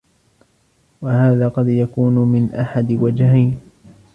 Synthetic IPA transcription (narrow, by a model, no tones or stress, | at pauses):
wahaːðaːqɑd̪jakuːnmɪnʔaħad̪ɪwad͡ʒhajn